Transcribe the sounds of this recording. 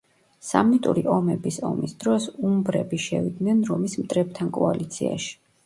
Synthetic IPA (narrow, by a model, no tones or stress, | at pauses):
samit̪ʼṵɾiʔɔmɛbisɔ̰misd̪̥ɾɔsumbɾɛbiʃɛ̰vid̪nɛnɾɔmismt̪ʼɾɛp̚t̪ʰankʼɔalit̪sʰia̰ʃi̥